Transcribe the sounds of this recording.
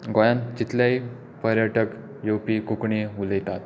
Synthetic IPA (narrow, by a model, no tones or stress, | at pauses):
ɡojãnt͡ɕit̪lai | pəɾjəʈək | jowpikukɳeulet̪at̪